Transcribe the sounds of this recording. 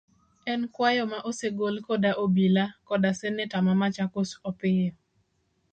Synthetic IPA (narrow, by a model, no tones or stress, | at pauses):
ɛnkwajɔmaʔoseɡolkodaʔobilakɔdasɛnɪtamamat͡ʃakosɔpɪjɔ